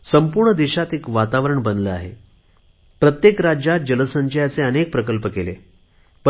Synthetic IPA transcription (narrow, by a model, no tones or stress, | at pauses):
səmpuɾɳəd̪iɕat̪ekʋat̪aʋɾəɳbənləa̰ɦḛ | pɾət̪jekɾad͡ʑjat̪̚d͡ʑələsəɲd͡ʑəjat͡seənek̚pɾəkəlpəkelḛ | p